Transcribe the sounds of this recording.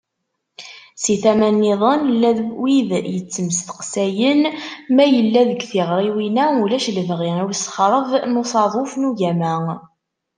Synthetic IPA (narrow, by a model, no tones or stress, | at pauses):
siθæmænːiðˤənlːæðwiðjət͡sːəməsθə̥qsæjənmæjəlːæðəɡθiʁɾˤiwinæulæʃləvʁiiwsχɾˤəvnusˤɑðˤofnuʝæmæ